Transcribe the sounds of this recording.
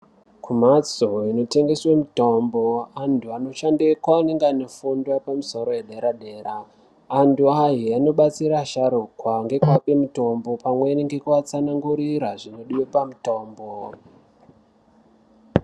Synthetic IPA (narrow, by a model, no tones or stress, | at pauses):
kumat͡soino̞te̞ŋɡe̞swemuto̞mboantʰuano̞ʃandekwaːne̞ŋɡanofundwapamuso̞ɾo̞jeɗe̞ɾaɗe̞ːɾaː | ntuaɦiano̞ɓat͡siɾaʃaɾukwaŋɡe̞kuwape̞muto̞mbo̞pamweneŋɡe̞kuat͡sanaŋɡuɾiɾaʐino̞ɗiwepamuto̞ːmbo